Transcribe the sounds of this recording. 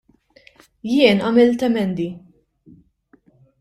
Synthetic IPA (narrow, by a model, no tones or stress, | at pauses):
jɪːnɐmɪlt̪ɛmɛnd̪i